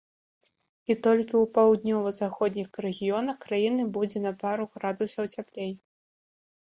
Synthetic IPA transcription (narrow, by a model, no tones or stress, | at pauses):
it̪ɔlʲkʲiupawd̪̚nʲɔvɐzaxɔd̪ʲnʲixɾɛɣʲijɔnɐxkɾajinɨbud͡zʲɛnɐpaɾuɣɾad̪usɐwt͡sʲaplʲej